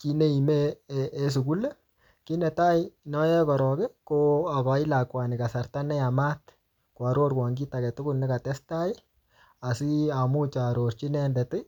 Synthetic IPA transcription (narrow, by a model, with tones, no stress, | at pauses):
ki˦ne˦i˨me˦ʔːs̬u˨ku˦le˦ | ki˦nɛ˨ta˦ɪnɔ˦jɛ˦kɔ˨ɾɔ˨ke˦koa˨kɔ˨i˦la˨kwa˨ni˨ka˨sa˨rta˦nɛ˦a˨ma˦t | kwa˨ɾo˦ɾwa˨ŋɡi˦ta˨kɛ˨tʊ˦kʊ˦lnɛ˦ka˨tɛ˦sta˦ɪ˦ | a˨si˦a˨mu˦t͡ʃa˨ɾo˨rt͡ʃi˦nɛ˦ndɛ˨tɪ˦